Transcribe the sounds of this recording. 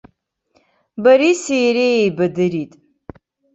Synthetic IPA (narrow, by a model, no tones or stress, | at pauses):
baɾisijɾejejbadɨɾitʼ